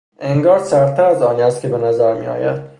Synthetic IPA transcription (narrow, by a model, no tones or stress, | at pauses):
ʔe̞ŋɡɒːɾsæɾt̪ʰæɾæzɒːniæst̪̚cʰe̞be̞næzæɾmḭɒ̰ːjæ̰d̪̥